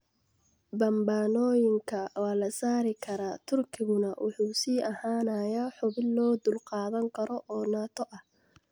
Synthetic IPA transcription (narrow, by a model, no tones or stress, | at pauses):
bɐmbaːnɔːjɪŋkʰɐwɑːlɐsaːɾɪkʰɐɾaːt̪ʰʊrkʰɪɣʊnɐwʔɑ̰ħuːsiːʔɐhaːnɐjaħʊβɪnlɔːd̪ʊlqɑːðɐŋkʰɐɾɔʔɔːnaːt̪ʰɔʔɐh